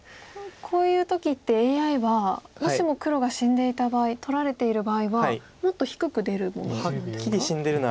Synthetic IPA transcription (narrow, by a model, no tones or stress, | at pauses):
kʰo̞ːjɯ̟ːt̪o̞kʲit̪ːe̞eːaiβamoimo̞kɯ̟ɾo̞ɡaɕĩnd̪e̞it̪abaːit̪o̞ɾaɾe̞t̪e̞iɾɯ̟baːiβa | mo̞t̪ːo̞çi̥kɯ̟kɯ̟d̪e̞ɾɯ̟mo̞̰nokʲidʲiɕĩnd̪e̞ɾɯ̟na